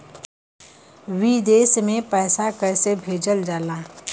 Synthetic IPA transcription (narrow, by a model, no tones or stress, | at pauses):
ʋid̪eːsmẽpɛːsakɐɾsebʱeːd͡ʒəld͡ʒaːlãː